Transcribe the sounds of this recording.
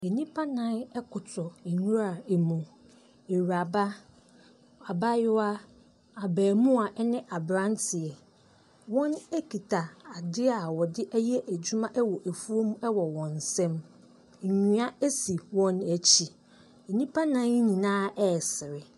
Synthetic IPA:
e˨nĩ˦pʰa˦nã˦nɛ˦kʰʊ˨tʰɔ˨e˨ɲũ˦ɾa˨e˨mũ˨ | e˨ɥa˨ba˦ | a˨ba˦jʊ˦wa˦ | a˨bæː˨mũ˦a˨ʔɛ˦nɪ̃˦ʔa˨bɾã˦n˦tʰɪ˨ɛ˨ | wɔ̃˦nɛ˦kʰi˨tʰa˨a˨dɪ˦a˨wɔ˨dɪ˦ʔæ˦jɛ˦ʔæ˨d͡ʑu˦mã˦ʔɛ˦wɔ˨ʔæ˨fu˦o˦mũ˦ɛ˦wɔ˨wɔ̃˨n˨sɛ̃˦m̩˨ | ɲũ˨˦a˦e˦si˨wɔ̃˦næ˨t͡ɕʰi˨ | e˨nĩ˦pʰa˦nã˦n˦ɲĩ˨nãː˦ɛ˦˨sɪ˨ɾɪ˨

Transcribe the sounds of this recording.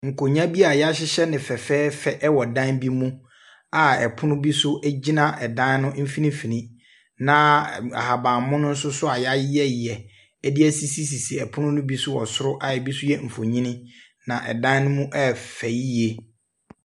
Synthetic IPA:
ŋ̩˨kʰo˨ɲã˦bi˦a˨ja˦ɕɪ˦ɕɛ˦nɪ̃˨fɛ˨fɛː˦fɛ˦ʔɛ˦wɔ˨dã˦nbi˦mũ˦ | a˨ɛ̰˨pʰʊ˦nʊ̃˦bi˦sʊ˦ʔɛ˦d͡ʑi˦nã˦ʔɛ˨dã˦nnʊ̃˦m̩˦fĩ˦nĩ˦fi˨nĩ˦ | nã˨a̰˨ha˨bãː˨mʊ̃˦nʊ̃˦n̩˦sʊ˦sʊ˦a˨ja˦ɪ˦ɛ˦˨ɛ˨ | ɛ˦dɪ˦ɛ˦si˦si˦si˨si˨ɛ˨pʰʊ˦nʊ̃˦nʊ̃˦bi˦sʊ˦wɔ̰˨sʊ˦ɾʊ˦ʔa˨ɛ˨bi˦sʊ˦jɛ˦m̩˨fo˨ɲĩ˦nɪ̃˦ | nã˨ʔɛ̰˨dã˦n˦nʊ̃˦mũ˦ʔɛ˦fɛ˨ji˦je˨

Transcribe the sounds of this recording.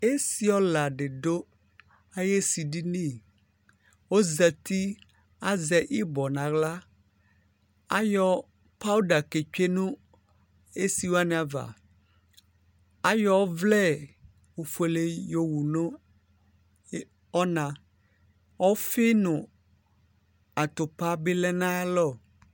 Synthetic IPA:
e˦si˨ɔ˦la˨ɖe˨ɖo˦ | a˦je˦si˨ɖi˦nẽ˦˨ | wo˦zɛ˨t̪i˦ | a˦zɛ˨ʔi˦bɔ˨nã˨ɡla˦ | a˦jɔ˦ | pa˦u˦da˨ke˨t͡ʃᶣe˦nũ˦ | e˦si˨wa˦n˦˨a˨va̰˨ | a˦jɔ˦wvlɛ˦ | wo˨fe˨le˨jo˦wu˨nõ˦ | ɔ˦nã˨ | wɔ˦fe˦nũ˨ | a˨t̪o˨pa˦be˦lɛ˦nã˦lɔ˦˨

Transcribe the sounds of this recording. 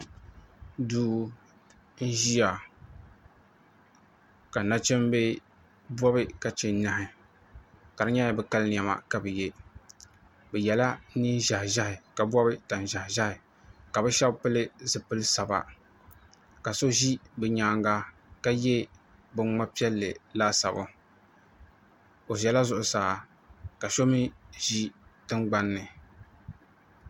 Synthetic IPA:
duː˦ | n̩˦ʒi˦ja˨ | ka˨na˦t͡ʃɛ˦mbɛ˦ | bɔ˦bɨ˦ka˨t͡ʃɛ˨n˦na˨hɪ˨ | ka˨ɾɨ˦ɲa˦ɛ˦bɛ˦ka˦ln˨a˨ma̰˨ka˨bɨ˨je˦ | bɛ˨jɛ˨la˦ni˦ʒa˨hʒa˦hɪ˨ka˨bɔ˦bɨ˦ta˨n˨ʒa˨hʒa˦hɪ˨ | ka˨bɛ˦ʃɛ˦bpɨ˦lɨ˦zɨ˨pɨ˦lɨ˦sa˨ba̰˨ | ka˨so˦ʒi˦bɨ˨ɲaː˦˨ŋɡa˦ | ka˦jɛ˦ | bɨ˨ŋŋ͡ma˦pi˦ɛ˦lːɨ˨la˦sa˨bʊ˦ | o˨ʒɛ˨la˦zʊ˨ʔʊ˨saː˨˦˨ | ka˨ʃo˦mi˦ʒi˦tɨ˦ŋɡ͡ba˦nːɨ˨

